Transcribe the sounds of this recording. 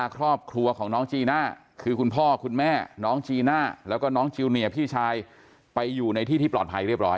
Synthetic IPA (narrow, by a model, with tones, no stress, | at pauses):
a˧kʰɾɔː˥˩p̚kʰɾu˧ɐkʰɔː˩˦ŋnɔː˦˥ŋt͡ɕiː˧naː˥˩ | kʰɯː˧kʰu˧npʰɔː˥˩kʰu˧nmɛː˥˩nɔː˦˥ŋt͡ɕiː˧naː˥˩lɛː˦˥wkɔː˥˩nɔː˦˥ŋt͡ɕʰi˧wni˨˩əpʰiː˥˩t͡ɕʰaː˧j | pa˧jːuː˨˩na˧jt̪ʰiː˥˩iː˥˩plɔː˨˩t̪̚pʰa˧jɾi˥˩əp̚ɾɔː˦˥j